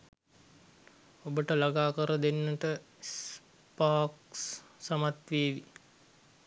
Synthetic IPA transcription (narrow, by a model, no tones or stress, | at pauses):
obəʈəlaɡaːkəɾəd̪enːəʈə | s | paːkssamat̪ʋeːʋi